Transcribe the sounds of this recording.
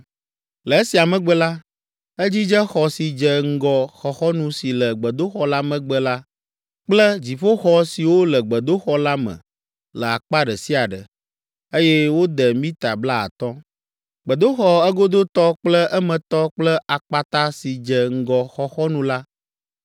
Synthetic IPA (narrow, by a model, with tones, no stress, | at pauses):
lə˨e˦si˨a˨mə̃˨ɡ͡bə˦la˦ | e˦d͡ʑi˦d͡ʒə˦xɔ˨si˨d͡ʒə˨ŋ̩˦ɡɔ˨xɔ˨xɔ˦nũ˦si˨lə˨ɡ͡bə˨d̪o˦xɔ˦la˦mə̃˨ɡ͡bə˦la˦ | k͡plə˦d͡ʑi˨fo˦xɔ˦si˨wo˦lə˨ɡ͡bə˨d̪o˦xɔ˦la˦mə̰̃˨ | lə˨a˨k͡pa˦ɖə˨si˦a˨ɖə̰˨ | e˦jɛ˦wo˦d̪ə˨mĩ˦t̪a˨bla˦a̰˨t̪ɔ˦ | ɡ͡bə˨d̪o˦xɔ˦ɛ˦ɡo˦d̪o˦t̪ɔ˦k͡plə˦ʔɛ˦mə̃˨t̪ɔ˦k͡plə˦ʔa˨k͡pa˨t̪a˦si˨d͡ʒə˨ŋ̩˦ɡɔ˨xɔ˦xɔ˦nũ˨˦la˦